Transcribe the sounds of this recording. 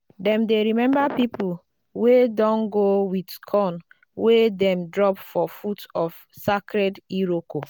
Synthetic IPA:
dɛ̃mdeɾimɛ̃mbapip̩ | wedɔ̃nɡowidkʰɔn | wedɛmdɾɔpfɔfutɔf | sakɾediɾoko

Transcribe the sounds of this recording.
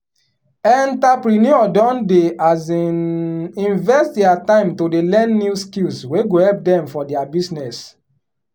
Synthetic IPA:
ɛ̃ntapɾinjuɔdɔ̃ndeaz | ĩnvɛtdɛatãɪ̃mtodelɛ̃nːuskilsweɡohɛlp̚dɛ̃mfɔdɛabisnɛs

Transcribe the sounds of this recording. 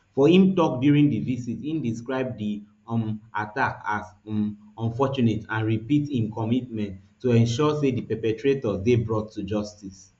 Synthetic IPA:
fɔhĩmtɔk̚djuɹĩŋdivisithĩmdiskɹaɪb̚di | mʔatakaz | ɔ̃nfɔt͡ʃunetãnɹipithĩmkɔmitmɛ̃ntː | uɛ̃nʃɔsedipɛpɛtɹetɔzdebɹɔtʰːud͡ʒɔstis

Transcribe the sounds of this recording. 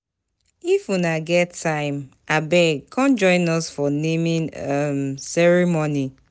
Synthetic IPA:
ifunaɡɛtʰːãɪ̃mʔabɛɡ̚kʰɔ̃nd͡ʒɔ̃ɪ̃nɔsfɔnemĩnɔmsɛɹimoni

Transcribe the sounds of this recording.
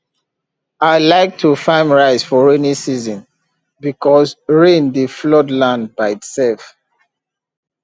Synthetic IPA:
aɪlaɪk̚tʰufãɪ̃mɹaɪzfɔɹɛnisizɔ̃n | bikʰɔzɹẽndiflɔdlãndbaɪitsɛlf

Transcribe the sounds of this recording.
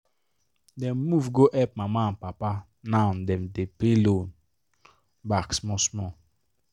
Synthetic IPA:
dɛmmuvɡoʔɛp̚mamapapa | nan̩dɛm̩depelon | baksmɔ̃smɔ

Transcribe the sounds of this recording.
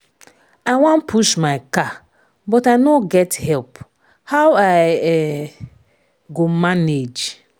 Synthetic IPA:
aɪwãnpʰuʃmaɪka | bɔtaɪnoɡɛthɛlp | hawaɪɛ | ɡomaned͡ʒ

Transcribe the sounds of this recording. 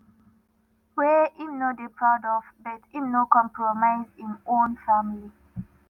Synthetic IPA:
weimnodepʰɹaʊdɔvbɛtĩmnokɔ̃mpɹɔmaɪzĩmõnfamili

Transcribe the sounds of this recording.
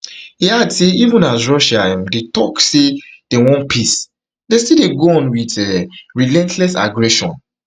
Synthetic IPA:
hiadseivə̃nasɹɔʃaɛ̃mdetɔksed̥ewɔ̃npʰis | destideɡoɔ̃nwidɛɹilɛ̃ntʰlɛsa̰ɡɹɛʃɔ̰̃n

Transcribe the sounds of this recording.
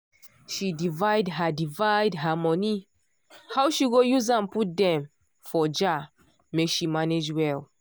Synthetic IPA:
ʃidivaɪdɦadivajdɦamɔni | hawʃiɡojuzãnput̚dɛ̃m | fɔd͡ʒa | mekʃimaned͡ʒwɛl

